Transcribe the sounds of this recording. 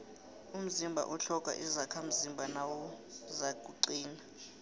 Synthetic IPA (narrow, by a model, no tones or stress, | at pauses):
um̩zimbʱa̰ʔuɬɔkʼa̰ʔizakʰam̩zimbʱanawɔ | zaɡ̥ʱuǀiːna